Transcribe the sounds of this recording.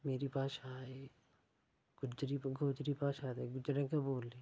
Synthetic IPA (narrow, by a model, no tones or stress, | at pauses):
meːɾipaːsaːe | ɡ̥ʊd͡ʒɾiɡʱoːd͡ʒɾipaːsaːd̪eɡʊd͡ʒɾẽkeboːli